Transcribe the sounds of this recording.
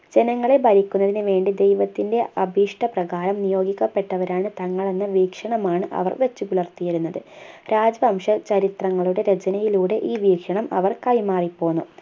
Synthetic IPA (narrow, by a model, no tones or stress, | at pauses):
d͡ʑe̞nɐŋːɐɭebɐɾikʲːunːɐðinɨʋe̞ːɳɖid̪e̞jʋɐt̪ːinde̞ɐbʱiːʂʈɐprɐɣaːɾɐmnijo̞ːɡikʲːɐpːe̞ʈːɐʋɐɾaːɳɨt̪ɐŋːɐɭe̞nːɐʋiːkʂɐɳɐmaːɳɨʔɐ̰ʋɐ̰rʋet͡ɕːukulɭɐrt̪ijɐɾunːɐðɨɾaːd͡ʑɐʋɐmʂɐt͡ɕɐɾit̪rɐŋːɐɭuɽe̞ɾe̞t͡ɕɐnɐjiluːɽe̞ʔiːʋiːkʂɐɳɐmʔɐ̰ʋɐrkɐjmaːripːo̞ːnːu